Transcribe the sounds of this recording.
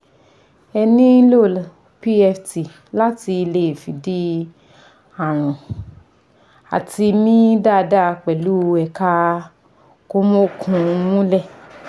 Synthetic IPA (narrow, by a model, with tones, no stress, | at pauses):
ɛ˧nĩ˦lo˦˨l | pi˦ɛ˧fti˨ | la˦ti˧i˧le˧˦˨fi˨di˦ | a˨ɾ̃ũ˨ | a̰˨ti˧mĩ˦da˦˧da˦˨˧k͡pɛ˨lu˨˦˧ɛ˨ka˦ | ko˦mo˦˨kʰũ˧mũ˦lɛ˦˨